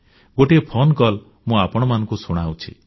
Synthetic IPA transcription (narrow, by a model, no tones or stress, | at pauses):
ɡoʈepʰonkɔl | mũapɔɽ̃ɔmanɔ̃ŋkusuɽ̃awt͡ʃʰḭ